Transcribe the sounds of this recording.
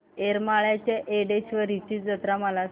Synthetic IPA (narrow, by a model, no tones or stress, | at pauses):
eɾmaɭjat͡ɕeʔeɽeɕʋəɾit͡ɕiːd͡zət̪ɾaməla